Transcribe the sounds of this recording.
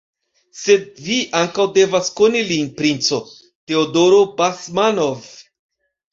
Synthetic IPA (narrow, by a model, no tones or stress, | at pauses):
se̞d̚viʔaŋkawde̞vaskonilinpɾint͡so̞ | te̞odo̞ɾo̞basmanov